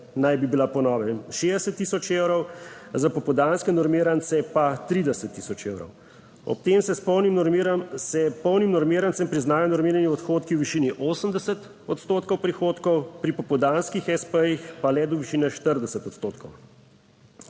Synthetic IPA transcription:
najbibilapɔnɔːʋɛmʃed̪ɛsət̪ːiːsɔt͡ʃewɾɔwzapɔpɔd̪anskɛnɔɾmiːɾant̪sɛpat̪ɾid̪ɛsət̪ːisɔt͡ʃewɾɔ̰w | ɔ̰p̚t̪emsɛspɔwnimnɔɾmiɾamsɛpɔwnimnɔɾmiːɾantsɛmpɾiznaːjɔnɔɾmiːɾaniɔt̪xoːt̪kiwʋiʃiːniʔoːsəmd̪ɛsət̪ | ɔt̪st̪oːt̪kɔwpɾixoːt̪kɔwpɾipɔpɔd̪anskixɛspəjixpalɛd̪ɔʋiʃiːnɛʃt̪əɾd̪ɛsət̪ɔt̪st̪oːt̪kʰɔw

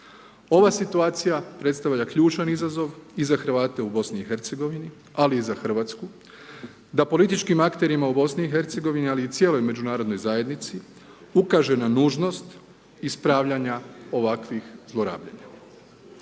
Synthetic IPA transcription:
o̞ʋasit̪uaːt̪sijapɾe̞t̪st̪aʋʎakʎuːt͡ʃanizazo̞ʋizaxɾʋaːt̪e̞ubo̞sniixe̞ɾt̪se̞ɡo̞ʋini | aliːzaxr̩ʋaːt̪sku | d̪apo̞lit̪it͡ʃkimakt̪e̞ɾimaubo̞sniːxe̞ɾt̪se̞ɡo̞ʋinialiːt̪je̞lojme̞d͡ʒunaːɾo̞d̪no̞jzaje̞d̪nit̪si | ukaʒenanuːʒno̞st̪ | ispɾaːʋʎaɲao̞ʋakʋixzlˠo̞ɾa̰ːbʎa̰ɲa

